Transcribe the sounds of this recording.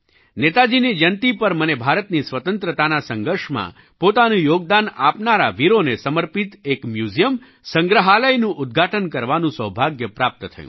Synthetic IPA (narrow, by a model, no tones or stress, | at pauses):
net̪ad͡ʒinid͡ʒənt̪ipəɾmənebʱaɾət̪nisʋət̪ənt̪ɾət̪anasəŋɡʱəɾʃmã̰ | pot̪anũjoɡ̚d̪ana̰pnaɾa̰ʋiɾonesəməɾpit̪ekmjuzijəm | sə̃ŋɡɾəɦaləjnũʔʊd̪̚ɡʱaʈənkəɾʋanũsəwbʱaɡjəpɾap̚t̪t̪ʰə̰jṵ̃